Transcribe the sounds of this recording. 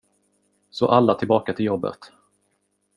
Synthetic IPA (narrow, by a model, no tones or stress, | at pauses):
sɔʔalːat̪ʰɪlbɑːkat̪ʰɪljɔbːə̰t̪